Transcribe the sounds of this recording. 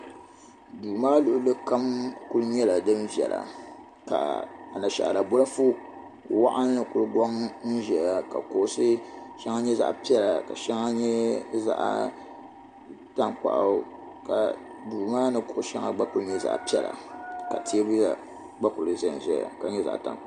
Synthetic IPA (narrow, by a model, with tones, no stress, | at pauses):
duː˨maː˦lʊ˨ʔʊ˦lɨ˦ka˦mkʊ˦ɾɨ˦ɲɛ˦la˨dɨ˦mvi˨ɛ̰˨la̰˨ | ka̰˨a˨na˨ʃa̰˨ʔa̰˨la˨bʊ˦la˦fu˦ | wa˦ʔa˦nː˦ɨ˨kʊ˨ɾɨ˦ɡɔ˦ŋn̩˦ʒɛ˨ja˨ka̰˨ko˨˦sɨ˦ʃɛ˦ŋa˦ɲɛ˦za̰˦ʔpi˦ɛ˦la˨ka˨ʃɛ˦ŋa˦ɲɛ˦za̰˦ʔa̰˦ | ta˦ŋk͡pa̰˨ʔa˦ | ka̰˨ | duː˨maː˦nɨ˦kʊ˨ʔʃɛ̰˦ŋa̰˦ɡ͡ba˦kʊ˨ɾɨ˦ɲɛ˦za̰˨ʔpi˦ɛ˦la̰˨ka˨tʰi˦e˦bu˦ja̰˨ | ɡ͡ba˦kʊ˨lɨ˨zɛ˨n˨zɛ̰˨a̰˨ka˨ɲɛ˦za̰˨ʔta̰˨ŋ˨˦